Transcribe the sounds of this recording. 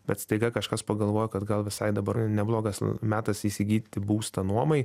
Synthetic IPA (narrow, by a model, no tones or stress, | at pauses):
bʲɛt̪st̪ɐɪɡɐkɐʃkɐspɐɡɐlˠʋoːjokɐt̪ɡɐlˠʋʲɪsɐɪd̪ɐbɐnʲɛblˠoːɡɐsmʲæːt̪ɐsiːsʲɪɡʲiːdʲt̪ʲɪbuːst̪ɐnuɔmɐɪ